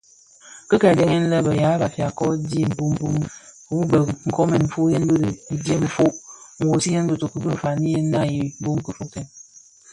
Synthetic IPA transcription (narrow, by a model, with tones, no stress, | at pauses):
kə˦ka˨de˦ŋe˦n̩˦lə˦bə˨ja˨˦ba˨fja˨kɔ˦di˦˨m̩˨bu˦m̩˦bu˦m˨ | bu˦bə˨ŋ̩˨kɔ˦mɛ˨m̩˨fu˦je˦n˦bə˦də˨i˨de˦mə˨fo˦ʔŋ̩˨wo˨si˦je˦n˦bə˦to˨kə˦bə˦˨fa˨ni˦je˦na˦ji˦bu˦ŋ˦kə˦fo˨tɛ˨n